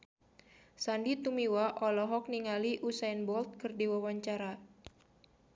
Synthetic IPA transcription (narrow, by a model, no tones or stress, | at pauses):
sandit̪umiwaʔɔlɔɦɔk̚niŋaliʔusainbɔlt̪̚kɨrdiwawaɲt͡ʃaɾa